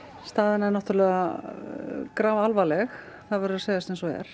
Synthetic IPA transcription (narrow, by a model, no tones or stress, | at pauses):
st̪aːðɪnaɛɾnaht̪ɾlɛːɣa | kɾaːvaalvalɛx | θaðvɛɾʏɾðaseːjðast̪ɛnsɔɛ̰ɾ̥